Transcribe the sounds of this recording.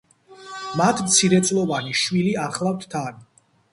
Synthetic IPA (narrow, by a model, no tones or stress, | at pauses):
mat̪ʰmt̪sʰiɾɛt̪sʼlˠɔvaniʃwiliaχlˠaft̪ʰt̪ʰan